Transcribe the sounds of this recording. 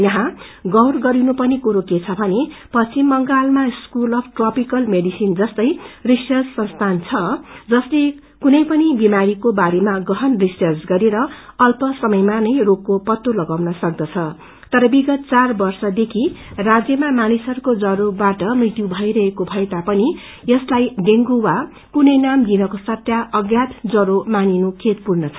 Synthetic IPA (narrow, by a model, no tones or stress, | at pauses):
jʌɦãɡʌwrɡʌɾinupʌnikoɾoket͡sʰʌbʱʌnepʌt͡simːʌŋɡalmaskulʌbʰʈrʌpikʌlmeɖisind͡zʌst̪ʌjrisʌrd͡zsʌnst̪ʰant͡sʰʌd͡zʌsle | kunʌjpʌnibimaɾikobaɾemaɡʌɦʌnrisʌrd͡zɡʌɾeɾʌʌlpʌsʌmʌjmanʌjrokːopʌt̪ːolʌɡawnʌsʌk̚d̪ʌt͡sʰʌ | t̪ʌɾʌbiɡʌt̪̚t͡sarbʌrsʌd̪ekʰirad͡zjʌmamanisʌɾukod͡zʌɾobaʈʌmrit̪jubʱʌjɾʌɦekobʱʌet̪apʌni | jʌslajɖeŋɡuwa | kunʌjnamd̪inʌkosʌt̪jaʔʌɡjat̪d͡zʌɾomaninukʰet̪̚purnʌt͡sʰʌ